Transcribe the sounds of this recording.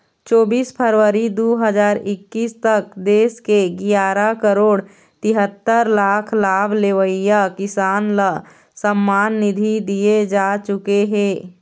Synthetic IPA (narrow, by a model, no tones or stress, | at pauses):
t͡ʃɔːbiːspʰəɾʋəɾid̪oɦəd͡ʒaːɾɪkːiːst̪ək̚d̪eːskeɡijaːɾakəɾoːɽ | t̪ɪɦət̪ːəɾlaːkʰlaːbʱleʋəɪjakɪsaːnlə | səmːaːnːɪd̪ʱid̪ijed͡ʒaːt͡ʃʊkeɦɛ̃ː